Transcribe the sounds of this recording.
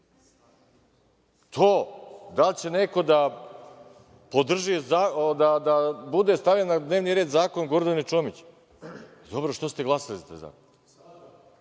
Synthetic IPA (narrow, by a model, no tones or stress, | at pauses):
t̪ʰoːd̪alt͡ɕene̞ko̞d̪a | pod̪r̩ʒizaːod̪ad̪abud̪est̪aʋʎanːad̪neːʋniɾe̞ːd̪zaːkonɡoɾd̪anit͡ʃoːmit͡ɕ | d̪o̞bɾoʃt̪ost̪eɡlˠasalit̪a̰jza̰ːkon